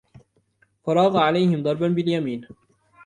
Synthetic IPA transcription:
fɑɾˤɑːɣɑʕalajhɪmd̪ˤɑɾˤbanbɪljamiːn

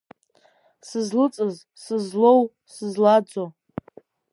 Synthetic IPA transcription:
sɨzlɨt͡sʼɨz | sɨzlow | sɨzlad͡zo

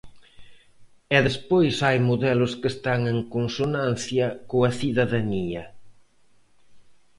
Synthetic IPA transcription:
ɛðespojsajmoðɛlʊskest̪aŋeŋkonsonãnθjɐkoɐθiðɐðaniɐ

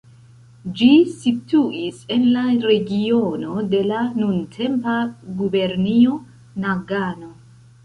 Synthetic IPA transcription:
d͡ʒisituʔise̞nlaɾe̞ɡio̞no̞de̞lanuntʰe̞mpaɡube̞ɾnio̞ | naɡano̞

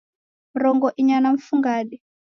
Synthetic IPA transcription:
m̩ɾɔŋɡɔʔiɲanaɱfuŋɡaːɗɛ

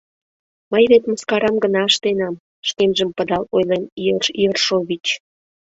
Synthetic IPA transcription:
məjβet̪məskɑɾɑmɡənɑəʃt̪enɑm | ʃkemʒəmpəd̪ɑlojleniərʃiərʃoβʲit͡ɕ

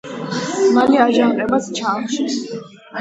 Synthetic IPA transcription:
maliaʒaŋqʼɛbast͡ʃʰaːχʃi

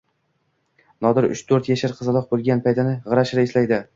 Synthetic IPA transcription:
nɒd̪ɪɾʊ̰ʃt̪ʰɵɾt̪jaʃaɾqʰɨzɨlˠɒq̚bolˠɡʲanpʰajt̪ʰɪnɪʁɨɾaʃɾaɪslajd̪ɪ

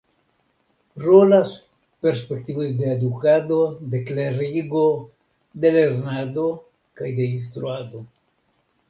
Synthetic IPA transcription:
ɾo̞las | pe̞ɾspe̞ktivo̞jdeedukado̞de̞kleɾiɡo̞ | de̞le̞ɾnado̞ | kajde̞ins̬t̪ɾuado̞

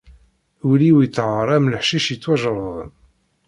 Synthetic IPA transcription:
wliwit͡sːʕəɾˤæmləħʃiʃət͡sːwæʒəɾˤðˤə̰n

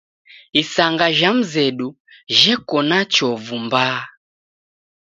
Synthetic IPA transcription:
isaŋɡaʒam̩zɛɗu | ʒɛkɔnat͡ʃɔvumbaː

